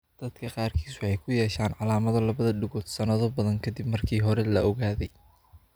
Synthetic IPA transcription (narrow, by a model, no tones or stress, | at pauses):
d̪̥ɐd̪̥kʰɐqɑːrkʰiːsʊɛjkʰʊjɛːʃaːnʕɑlaːmɐðɐlɐβɐðɐɖɪɣɔːd̪sɐnɐðɔbɐðɐŋkʰɐd̪ibmɐrkʰiːɦɔɾɛlɐɔɣaːðɛj